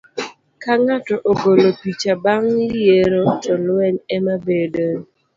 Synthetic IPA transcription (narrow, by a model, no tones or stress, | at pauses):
kaŋatɔʔoɡolopit͡ʃabaŋjeɾotɔlwɛnɛmabedo